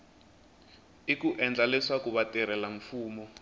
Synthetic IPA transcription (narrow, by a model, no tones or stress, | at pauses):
ikuʔɛnd͡ɮaliswakuβatʼɛɾɛlaɱfuːmɔ